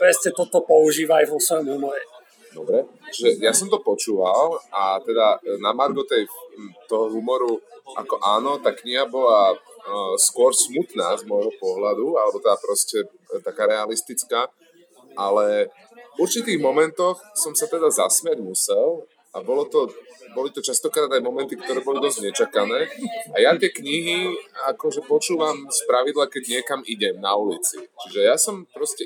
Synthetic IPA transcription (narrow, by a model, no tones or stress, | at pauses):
pɾɛsɲɛt̪ɔt̪ɔpɔuʒiːʋaːjʋɔsʋɔjɔmɦumɔɾɛ | d̪ɔbɾɛt͡ʃiʒɛjasɔmt̪ɔpɔt͡ʃuːʋalʔat̪ɛd̪anamaɾɡɔt̪ɛjt̪ɔɦɔɦumɔɾuʔa̰kɔʔaːnɔt̪aːkɲiɦabɔla | skwɔɾsmut̪naːzmɔjɦɔpɔɦlad̪ualɛbɔt̪ɛd̪apɾɔscɛ | t̪akaːɾɛalist̪it͡skaː | ʔalɛ | uɾt͡ʃit̪iːɣmɔmɛnt̪ɔxsɔmsat̪ɛd̪azasmɪaɟmusɛlˠ | ʔabɔlɔt̪ɔbɔlit̪ɔt͡ʃast̪ɔkɾaːd̪ajmɔmɛnt̪ikt̪ɔɾɛːbɔlid̪ɔzɟɲɛt͡ʃakanɛːajat̪ɪɛkɲiɦiakɔʒɛpɔt͡ʃuːʋamspɾaʋid̪lakɛɟɲɪɛkamiɟɛmnaulit͡sḭt͡ʃiʒɛjasɔmpɾɔscɛ